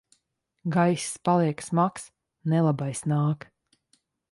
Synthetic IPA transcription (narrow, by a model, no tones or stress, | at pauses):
ɡajsspalˠiɛksmaks | nɛlˠabajsnaːk